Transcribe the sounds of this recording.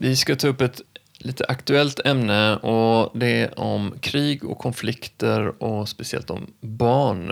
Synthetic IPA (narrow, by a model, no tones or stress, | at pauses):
vɪskat̪ʰɑːɵpːɛt̪ | liːt̪ʰəʔakt̪ʉɛlt̪ʰɛmnəʔɔd̪ɛɔmkʰɾiːɡɔ̰kʰːɔnflɪkt̪əɾɔspɛsɪɛ̰lt̪ɔ̰mbɑːɳ